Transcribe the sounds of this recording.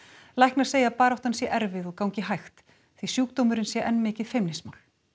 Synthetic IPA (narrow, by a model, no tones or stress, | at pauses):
lajhknaɾ̥seːjapaːɾawt̪hansjɛʔɛɾvɪðɔɣkawŋɲcɪɦajxt̪ | θvisjuːk̚t̪owmʏɾɪnsjɛʔɛnːmɪːcɪðfɪjmnɪsmawl̥